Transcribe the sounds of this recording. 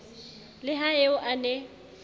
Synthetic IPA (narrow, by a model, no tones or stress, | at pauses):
lɪɦaeʊʔanɛ